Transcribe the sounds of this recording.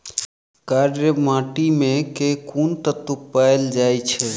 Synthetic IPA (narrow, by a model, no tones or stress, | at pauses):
kaɖjəmãʈimekekʰunt̪ət̪upːaeld͡ʒajt͡ʃʰɛ